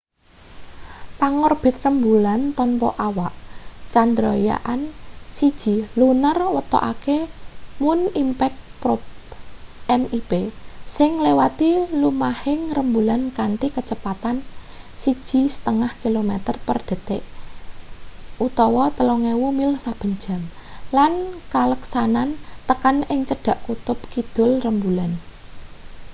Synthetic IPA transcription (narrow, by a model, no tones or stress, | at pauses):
paŋɔrb̥ɪ̤t̪̚rəmbulant̪ɔnpɔ̰ʔawaʔt͡ʃand̪ɾɔja̰ʔansid̥ʒ̥i̤lunərwət̪ɔ̰ʔa̰kemʊnimpɛk̚pɾɔp | ɛmib̥esɪŋlewat̪ilumahɪŋrəmbulankanʈ̪ikət͡ʃəpat̪an | sid̥ʒ̥i̤sə̥t̪əŋahkilomɛt̪ərpərd̪̥ə̤t̪eʔ | ʔut̪ɔwɔt̪əloŋɛwumilsab̥ə̤ɲd͡ʒa̤mlankaləksanant̪əkanɪŋt͡ʃəd̥a̤ʔkut̪ʊp̚kid̪̥ʊ̤lrəmbulan